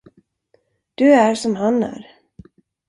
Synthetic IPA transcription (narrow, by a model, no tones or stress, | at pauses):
d̪̥ɵæɾʂɔmɦanæ̰ɾ